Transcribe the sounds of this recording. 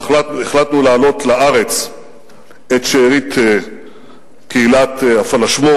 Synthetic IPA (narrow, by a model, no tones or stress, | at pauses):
latnueχlat̪nulaːlo̞t̪laʔaʁet͡s | et̪ʃeːʁit̪ | keilat̪afalaʃmo